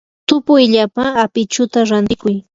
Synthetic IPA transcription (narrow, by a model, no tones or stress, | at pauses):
t̪ʊpʊjʎapaːpɪt͡ʃʊt̪aɾant̪ɪkʊj